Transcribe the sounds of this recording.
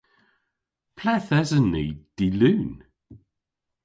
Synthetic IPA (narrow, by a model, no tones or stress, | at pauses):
pʰlɛθɛzənːid̥ilʉːn